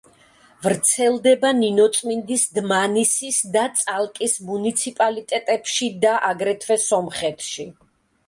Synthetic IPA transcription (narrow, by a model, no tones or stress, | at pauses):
vɾt̪sʰɛlˠd̪ɛbaninɔt̪sʼmind̪isd̪manisisd̪at̪sʼalˠkʼismunit̪sʰipʼalit̪ʼɛt̪ʼɛpʃid̪aʔaɡɾɛt̪ʰvɛsɔmχɛt̪ʰʃi